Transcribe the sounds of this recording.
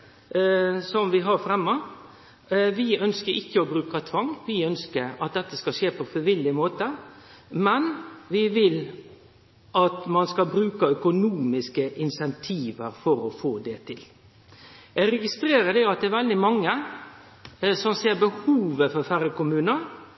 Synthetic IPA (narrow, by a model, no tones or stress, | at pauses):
sɔmʋɪɦɑɾfɾɛmːə | ʋɪœnskəɾɪkːəɔbɾʉːkɑt̪ʰʋɑŋːʋɪœnskəɾɑt̪̚d̪ɛt̪ːəskɑʃeːpʰɔfɪʋɪlːɪmoːt̪ə | mɛnʋɪʋɪl | ʔɑt̪mɑnskɑbɾʉːkɑœkʊnuːmɪskəʔɪnsɛnt̪ʰiːʋəɾfɔɾɔfoːd̪ɛt̪ʰɪl | jæɡɾɛɡɪst̪ɾeːɾəd̪ɛɑt̪̚d̪ɛːæɾʋɛld̪ɪmɑŋːə | sɔmseːɾbəhuːʋəfɔɾfæɾəkʊmʉːnəɾ